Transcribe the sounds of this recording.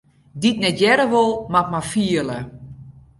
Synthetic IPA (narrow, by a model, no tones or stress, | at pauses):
ditnɛtjɛɾəʋolˠmat̚mafiələ